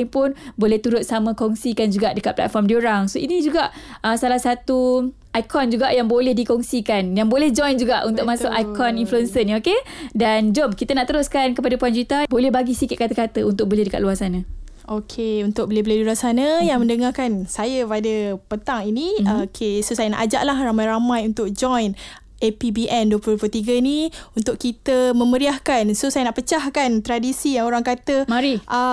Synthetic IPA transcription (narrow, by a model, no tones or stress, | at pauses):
ŋpʊnbolɛht̪uɾʊt̪̚samə̃kɔŋsikand͡ʒuɡaʔdəkat̪̚pla̰t̪̚fɔrmdioɾaŋsoinid͡ʒuɡaʔəsalahsat̪u | ʔajkʰɔnd͡ʒuɡaʔjaŋbolɛhdikɔŋsikanjaŋbolɛhd͡ʒɔjnd͡ʒuɡaʔunt̪ʊkkmasʊkajkʰɔninfluɛnsənokedand͡ʒobkit̪anãʔt̪əɾʊskankəpadapuand͡ʒəɾit̪abolɛhbaɡisikɪt̪̚kat̪əkat̪əunt̪ʊk̚bəlehdəka̰t̪luarsanã | okʰeunt̪ʊk̚bəlɪhbəlediluarsanəjaŋmə̃ndəŋakansajəpadəpənt̪aŋinĩkʰesosajəna̰ʔad͡ʒa̰ʔlahramajɾamajunt̪ʊk̚d͡ʒɔjn | epibiʔɛnduwəpuplut̪iɡəniunt̪ʊʔkit̪əmə̃məɾiahkansosajənaʔpət͡ʃahkant̪ɾadisijaŋoɾaŋkat̪əmaɾiʔ